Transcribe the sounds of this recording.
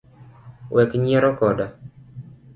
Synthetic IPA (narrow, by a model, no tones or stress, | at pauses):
wɛkɲɛɾɔkɔda